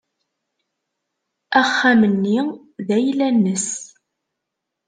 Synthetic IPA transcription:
æχːæmənːi | ðæjlænːəs

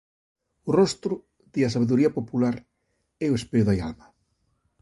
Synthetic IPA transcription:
ʊrɔst̪ɾʊ | ð̥iɐsaβeðuɾiɐpopulaɾ | ɛoespeʊðaja̰lma

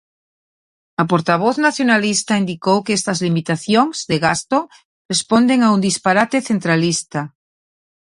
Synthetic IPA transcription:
apoɾt̪aβ̞oθnaθjonalist̪aind̪ikowkeest̪ɐzlimit̪aθjoŋz̥ðeɣast̪o | respond̪eŋaund̪ispaɾat̪eθent̪ɾalist̪a

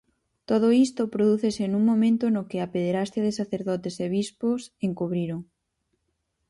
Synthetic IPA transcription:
t̪oð̞oist̪opɾoðuθesenuŋmõmẽnt̪onokɪapeðeɾast̪jaðɪsaθeɾðɔt̪eseβ̞isposeŋkuβɾiɾoŋ

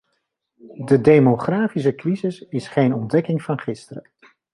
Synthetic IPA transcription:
dədejmoχraːfis̬əkrizɪsɪsχejnɔndɛkɪŋvɑnχɪstərə

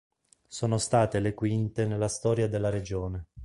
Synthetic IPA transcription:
soːnost̪aːt̪elekwint̪enelːast̪ɔːɾjad̪elːaɾed͡ʒoːne

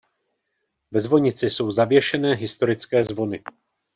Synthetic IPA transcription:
vɛzvo̞ɲɪt͡sɪso̞wzavjɛʃɛnɛːɦɪst̪o̞ɾɪt͡skɛːzvo̞nɪ

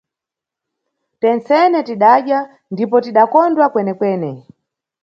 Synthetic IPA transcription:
tɛnt͡sɛnɛtiɗaʄja | ndipɔtiɗakɔndwakwɛnɛkwɛːnɛ

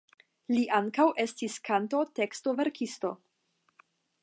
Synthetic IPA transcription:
liʔaŋkawʔe̞stiskʰanto̞te̞ksto̞ve̞ɾkʰisto̞

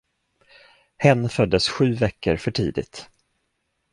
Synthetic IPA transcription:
hɛnːfœd̪ːəsɧʉ̟ːvɛkːə̰ɾfœʈʰḭːd̪ɪ̰t̪

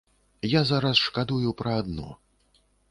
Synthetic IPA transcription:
jazaɾɐsʂkad̪ujupɾɐːd̪nɔ̰

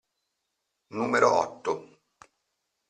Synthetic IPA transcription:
nuːmeɾo̰ʔɔ̰t̪ːo

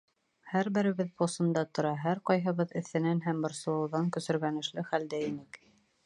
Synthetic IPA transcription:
hæɾbɘ̆ɾɘ̆βɘðposɤ̆nd̪ɑt̪ŏɾɑɦæɾqɑjɦɤ̆βɤðɘ̆θɘ̆nænɦæmbɤ̆ɾsɤ̆lˠɤ̆wðɑŋkɵ̆sɵ̆ɾɡænɘ̆ʃlɘχæld̪æinɘk

